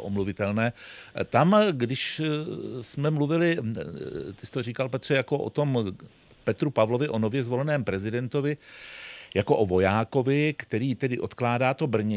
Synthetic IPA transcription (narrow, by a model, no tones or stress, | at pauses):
ʔomluvɪt̪ɛlnɛːt̪amɡdɪʃ | smɛmluvɪlɪ | t̪ɪst̪oriːkalpɛt̪r̝̥ɛjakoʔo̰t̪o̞m | pɛt̪ɾupavlo̞vɪʔo̞novjɛzvo̞lɛnɛːmpɾɛzɪdɛnt̪ovɪ | jako̞ʔovo̞jaːko̞vɪkt̪ɛɾiːt̪ɛdɪʔo̞t̪klaːdaːt̪o̞br̩ɲɛ